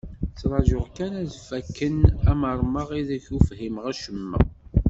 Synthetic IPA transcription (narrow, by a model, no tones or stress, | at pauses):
t͡sːɾˤɑʒʊʁkænæðfækːənæməɾˤməʁiðəçufhimʁæʃəmːə̰